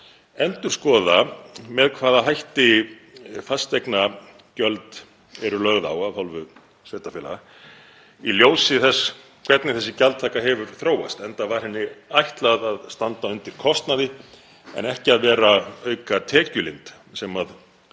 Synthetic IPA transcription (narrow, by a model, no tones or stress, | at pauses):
ɛnt̪ʏ̥skɔːðamɛðkʰvaːðaɦajht̪ɪ | fast̪ekna | cœlt̪ | ɛɾʏlœɣða̰waðhalvʏ | seːht̪afɪːla̰ | iljoːwsɪθɛs | kʰvɛt̪nɪθɛsːɪcalt̪ʰaːkaɦɛvʏɾθɾoːwa̰st̪ɛnt̪avaɾ̥hɪnːɪajht̪laðaðst̪ant̪aʏnt̪ɪɾ̥kʰɔst̪naðɪ | ɛ̰nɛhcɪaðvɛːɾaœːɥkat̪ʰɛːcʏlɪnt̪ | sɛmað